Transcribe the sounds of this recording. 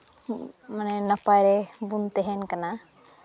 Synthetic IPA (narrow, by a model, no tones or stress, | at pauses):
manɛnəpajɾɛbunt̪ɛɦɛnkana